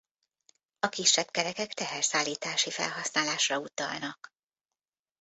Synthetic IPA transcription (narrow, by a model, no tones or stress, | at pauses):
ɒkiʃːɛb̥kɛɾɛkɛkt̪ɛɦɛrsaːlːiːt̪aːʃifɛ̰lɦɒsnaːlaːʃrɒut̪ɒ̰lnɒk